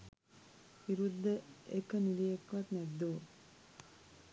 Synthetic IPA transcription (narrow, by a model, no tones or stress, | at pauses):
iɾud̪ːəekəniliekʋat̪nɛd̪ːoː